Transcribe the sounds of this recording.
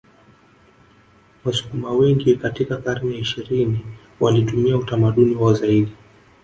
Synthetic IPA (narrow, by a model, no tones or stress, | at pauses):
wasu̥kumawɛŋɡikatikakaɾmɛaiʃiɾini | walitumiautamaɗuniwazaiɗi